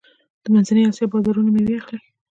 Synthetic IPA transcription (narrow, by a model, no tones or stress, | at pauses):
d̪̥əmanzanəjɑsjɑbɑzɑɾunameweaxle